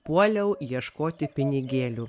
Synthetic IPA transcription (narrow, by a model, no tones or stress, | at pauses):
puɔlʲɛʊjiɛʃkoːt̪ʲɪpʲɪnʲɪɡʲeːlʲuː